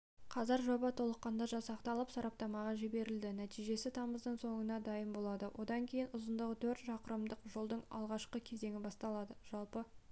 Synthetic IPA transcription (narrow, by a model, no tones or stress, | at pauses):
qʰɑzɑɾʒo̞bɑt̪ʰo̞lˠəqːɑnd̪ɑʒɑsɑqt̪ɑlˠəpsɑɾɑp̚t̪ɑmɑʁɑʒɪbe̞ɾɪld̪ɪnæt̪ijʒe̞sɪt̪ʰɑməzd̪əɴso̞ɴənɑd̪ɑjəmbo̞lˠɑd̪əwʔo̞d̪ɑŋkʲʰe̞jɪnʊzənd̪əʁət̪ʰɵɾt̪ʒɑqəɾəmd̪əqʒo̞lˠd̪əɴɑ̰lˠʁɑʃqəkʲʰe̞ze̞ŋʲɪbɑst̪ɑlˠɑd̪əʒ̥ɑlˠpə